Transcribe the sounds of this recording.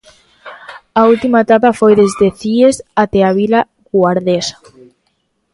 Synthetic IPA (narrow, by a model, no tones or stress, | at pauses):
ault̪imaet̪apafojðezðeθiesat̪eaβila | ɣwaɾðesḁ